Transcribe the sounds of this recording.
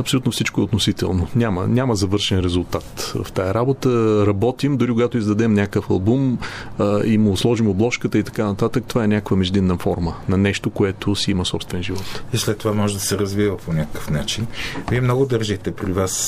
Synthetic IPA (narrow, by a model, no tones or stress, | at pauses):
ɐpsolut̪nʊfsit͡ʃkʊɛot̪nosit̪ɛ̰lˠnonʲamə̰nʲaməzɐvɤɾʃɛnɾɛzʊlˠt̪at̪vɐ̰ft̪ajɐɾabot̪əɾɐbɔt̪imd̪ʊɾikʊɡat̪oizd̪ɐd̪ɛmnʲakəfɐlˠbum | əimoslˠɔʒimʊblˠɔʃkət̪əit̪ɐ̥kanɐt̪at̪ək̚t̪ovaɛnʲakəkvəmɛʒd̪innːəfɔ̰ɾmənɐnɛʃt̪okoɛt̪osiiməsɔpst̪vɛnʒivɔt̪islɛt̪ːovamɔʒɛd̪ɐsɛɾɐzvivəponʲakəkə̥fnat͡ʃinviɛmnɔɡʊd̪əɾʒixt̪ɛpɾivas